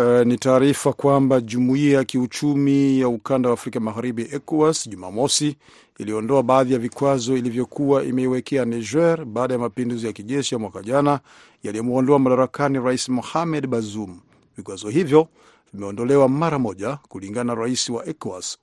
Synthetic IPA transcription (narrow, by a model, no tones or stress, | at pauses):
nitaːɾifakwambaʄumuiajakiut͡ʃumijaukandawaːfɾikamaɣaɾiɓiʔɛkasʄuma̰mɔsi | iliɔndɔaɓaːðijavikwazɔilivjɔkʰuwaʔḭmɛiwɛkʰɛanaʒɛɾɓaːɗajamapinduzijakiʄɛʃijamwakaʄana | jalijɔmuɔndɔamaɗaɾakaniɾaisimɔhamɛɗɓazum̩ | vikwazɔɦivjɔ | vimɛɔndɔlɛwamaɾamɔʄakuliŋɡananaɾaisiwaʔɛkas